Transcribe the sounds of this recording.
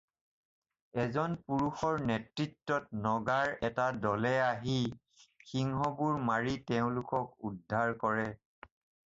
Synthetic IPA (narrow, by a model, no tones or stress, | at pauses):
ɛzɔnpuɹuxɔɹnɛtɹitːɔtnɔɡaɹɛtadɔlɛaɦi | xiŋɦɔbuɹmaɹitɛʊ̃lʊkɔk̚udʱːaɹkɔɹɛ